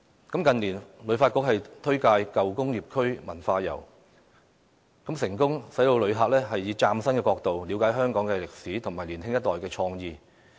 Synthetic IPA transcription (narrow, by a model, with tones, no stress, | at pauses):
kɐ˨˥mkɐ˨nliː˨˩nlɵ˨˧˥ɥfaː˧t̚kʊ˧˥k̚hɐ˨jt̪ʰɵ˥ɥkaː˧jkɐ˨wkʊ˥ŋjiː˨p̚kʰɵ˥ɥmɐ˨˩nfaː˧jɐ̰˨˩w | kɐ˨˥msɪ˨˩ŋkʊ˥ŋsɐ˨˥jt̪o˧wlɵ˨˧ɦaː˧k̚lɛː˥ɦɐ˨jːiː˨˧t͡saː˧msɐ˥nkɛː˧kɔː˧k̚t̪o˨wliː˨˧wkaː˨˥jɦœː˥ŋkɔː˨˥ŋkɛ˧lɪ˨k̚siː˨˥t̪ʰʊ˨˩ŋmaː˨˩liː˨˩nɦɪ˥ŋjɐ˥t̚t̪ɔː˨jkɛː˧t͡ʃʰɔː˧ŋjiː˧